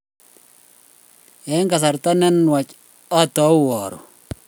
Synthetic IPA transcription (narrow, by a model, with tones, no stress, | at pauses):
ɛ˨˦ŋka˨sa˨ɾta˦nɛ˦nwa˨t͡ʃ | ɔ˦tɔ˨˦wɔ˨ɾɔ̰˨